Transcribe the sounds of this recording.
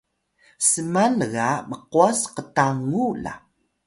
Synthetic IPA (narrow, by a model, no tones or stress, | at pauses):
səmanəɣaməquasqətaŋula̰